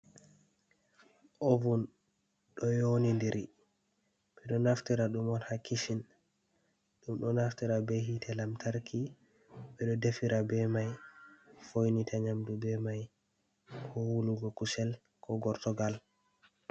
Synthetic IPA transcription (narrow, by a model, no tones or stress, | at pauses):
ʔovun | ɗɔjonindiɾi | ɓɛɗɔnaftiɾaɗumɔnhakʰːiʃin | ɗumɗɔnaftiɾabeɦitʰɛlamtʰaɾkʰi | ɓɛɗɔdefiɾabɛmaj | fojnitʰaɲamdubɛmaj | kʰɔwuluɡɔkusɛl | kʰɔɡɔɾtɔɡal